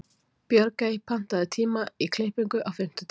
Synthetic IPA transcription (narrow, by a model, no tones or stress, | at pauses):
pjœɾkajpʰan̥t̪aðɪt̪ʰiːmaikʰlejhpiŋkʏʔawfɪm̥t̪ʏt̪